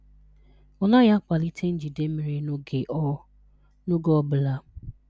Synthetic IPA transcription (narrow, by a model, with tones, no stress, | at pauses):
ɔ˨la˦ja˦kʷa˨li˦tʰe˦n̩˦d͡ʒi˨de˦mi˨ɾi˦e˨˦ | no˦ɡɔ˦bʊ˨la˦